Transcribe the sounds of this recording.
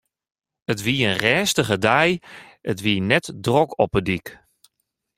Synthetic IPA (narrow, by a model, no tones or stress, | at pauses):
ətʋiəənrɛːstəɣədɛjətʋiənɛtdrɔkɔpədik